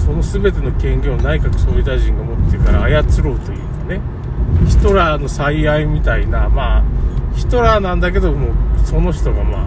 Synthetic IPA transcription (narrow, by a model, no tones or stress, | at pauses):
so̞no̞sɨbe̞t̪e̞no̞kẽ̞ŋɡʲo̞ːnaikakɯ̟̥soid̪aʑĩŋɡamo̞t̪ːekaɾa̰ːjat͡sɨɾo̞ːt̪o̞jɯ̟ːane̞ | çi̥t̪o̞ɾaːno̞saiaimʲit̪ainamaːçi̥t̪o̞ɾanãnd̪ak̬e̞d̪o̞moːso̞no̞çi̥t̪o̞ɡama̰ː